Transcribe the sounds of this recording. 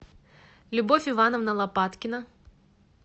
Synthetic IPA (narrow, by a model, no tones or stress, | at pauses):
lʲʊbofʲɪvanɔvnɐlˠɐpat̪kʲɪnɐ